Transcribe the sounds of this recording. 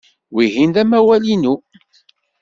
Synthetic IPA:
wiɦind̪æmæwælinu

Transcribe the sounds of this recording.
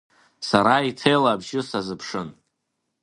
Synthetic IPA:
saɾaitʰejlabʒɪsazɨpʰʂɨn

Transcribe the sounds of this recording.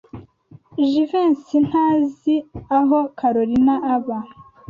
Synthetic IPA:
ʒiveːnsin̥haːziaɦokʰaɾoɾinaʔːβa

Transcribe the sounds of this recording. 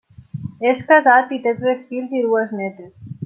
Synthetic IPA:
eskazat̪it̪et̪ɾesfilziðueznɛt̪es

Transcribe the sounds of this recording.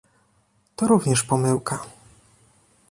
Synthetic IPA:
t̪ɔɾuvɲɛʂpɔmɘwka

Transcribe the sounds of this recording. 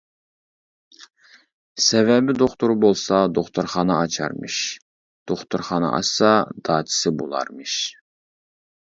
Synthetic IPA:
sɛvɛbɪd̪oχt̪uɾbolˠsɑd̪oχt̪ʰuɾχɑnɑɑt͡ʃʰɑ̰ɾmɨ̰ʃ | d̪̥oχt̪ʰuɾχɑnɑ̰ʔɑ̰sɑd̪̥ɑːt̪ʰɪ̥sɪbolˠɑ̰ɾmɨʃ

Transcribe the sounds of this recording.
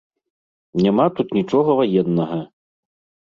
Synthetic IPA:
nʲamat̪ut̪nʲit͡ʂɔɣɐvajɛnːɐɣɐ

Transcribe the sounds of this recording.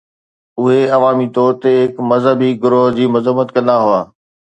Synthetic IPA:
ʊɦeɐʋaːmit̪ʰoːɾt̪eɦɪkmɐzɦəbiɡʊɾoɦd͡ʑiːmʊzəmːət̪kɐ̃nd̪aɦʊaː

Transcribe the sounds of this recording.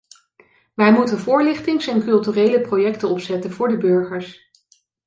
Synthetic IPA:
ʋɛjmutənvʊːɹlɪχtɪŋsɛnkɵlˠtyːrejləprojɛktənɔpsɛtənvʊːɹdəbɵɹχəɹs

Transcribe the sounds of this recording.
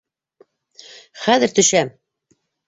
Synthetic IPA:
χæðɘɾt̪ɵ̆ʃæm

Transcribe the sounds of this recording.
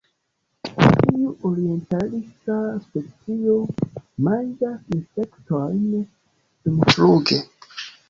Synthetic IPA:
tiuʔoɾie̞ntalistaspet͡sio̞mand͡ʒasinsektojn | sumfluɡe

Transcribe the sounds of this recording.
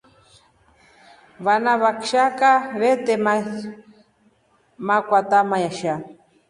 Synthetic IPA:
βanaβakʃakaβet̪ema | makʷat̪amajaʃa

